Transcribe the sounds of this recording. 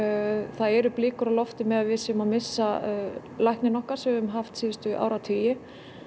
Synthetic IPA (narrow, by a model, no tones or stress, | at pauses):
θaðɛɾʏplɪːkʏɾalɔft̪ɪmɛðaðvɪsɪʏmamɪsːa | lajhknɪnɔhkaɾ̥sɛvɪʏmɦaft̪siːðɪst̪ʏ̰ʔa̰ːwɾat̪ʰiːjɪ